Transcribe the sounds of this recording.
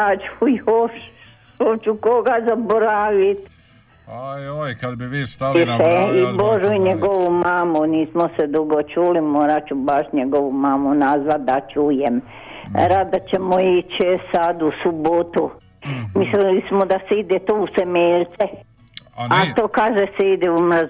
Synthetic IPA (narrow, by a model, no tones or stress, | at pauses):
at͡ʃujoʃ | ot͡ʃukoɡazaboɾaʋit̪ | kabiʋiːsiʃeiboʒuiɲeɡoʋumaːmuniːsmosed̪uɡot͡ʃuːlimoːɾat͡ʃubaʃɲeɡoʋumaːmunazʋat̪̚d̪at͡ʃuːjem | ɾat̪̚d̪at͡ɕemoit͡ɕsad̪usubot̪u | mislilismod̪aseid̪et̪ousemeʎt̪se | at̪oːkaːʒeseid̪eumr̩z